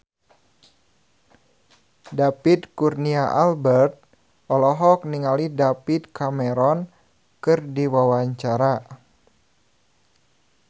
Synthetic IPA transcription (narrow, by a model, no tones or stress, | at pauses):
dapit̪̚kurniaʔalbɛrt̪̚ | ʔɔlɔɦɔk̚niŋalidapit̪̚kamɛɾɔn | kɨrdiwawaɲt͡ʃaɾa